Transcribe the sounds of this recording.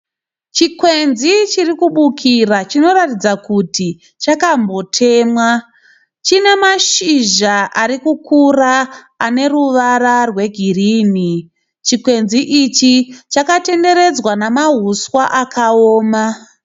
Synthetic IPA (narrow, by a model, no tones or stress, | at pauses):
t͡ʃikwe̞nzit͡ʃirikuɓukʰirat͡ʃino̞ɾatid͡zakuti | t͡ʃakambo̞tʰe̞ːmwa | t͡ʃine̞maʃiʒaʔaɾikukuraː | ne̞ruʋaɾarwe̞ɡʱiriːni | t͡ʃikwe̞nziʔit͡ʃit͡ʃakate̞nde̞ɾe̞d͡zwanamaɦuswaʔakʰaoːma